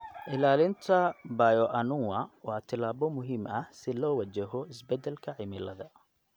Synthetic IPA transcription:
ʔɪlaːlɪnt̪ʰɐbaːjɔʔɐnʊŋwɐwɑːt̪ʰɪlaːβɔmʊɦiːmɐsɪlɔːwɑt͡ʃɛɦɔɪsbɛd̪ɛlkʰɐʕɪmɪlɐðɐ

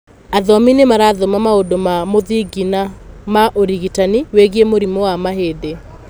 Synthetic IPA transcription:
aðɔminemaɾaːðomamaodomamoðiɡinamaʔoɾiɣitaniweɣiemoɾimowamaɦeðe

